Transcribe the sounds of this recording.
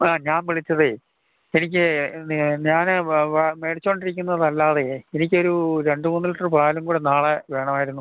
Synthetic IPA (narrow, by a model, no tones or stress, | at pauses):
aːɲaːnʋiɭit͡ɕːɐðɨ | enikʲːɨ | ɲaːnɨʋme̞ːɽit͡ɕːoːɳɖiɾikʲːunːɐðɐlːaːðeenikʲːo̞ɾuɾe̞ɳɖɨmuːnːiliʈːɐrpraːjlumkuːɽenaːɭeʋe̞ːɳɐmaːjiɾunːu